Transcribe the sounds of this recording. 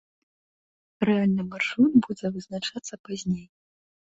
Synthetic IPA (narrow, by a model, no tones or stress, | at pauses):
rɛalʲnɨmarʂunbud͡zʲɛvɨznat͡ʂat̪sːɐpazʲnʲej